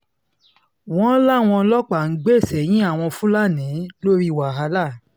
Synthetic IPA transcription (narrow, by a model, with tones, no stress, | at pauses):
w̃ɔ̃˦la˦˨w̃ɔ̃˧lɔ˦k͡pa˨ŋ̩˨˦ɡ͡be˦˨sɛ˨j̃ĩ˦a˦˨w̃ɔ̃˧fũ˦la˦˨nĩ˨˦lo˦ɾi˦˨wa˨ɦa˧la˦˨